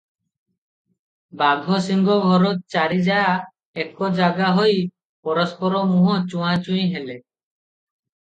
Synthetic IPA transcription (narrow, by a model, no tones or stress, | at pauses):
baɡʱɔsiŋɡɔɡʱɔɾɔt̪̚t͡ʃaɾid͡ʒaa | ekɔd͡ʒaɡaɦoj | pɔɾɔspɔɾɔmuɦɔt͡ʃũãt͡ʃũj̃ɦele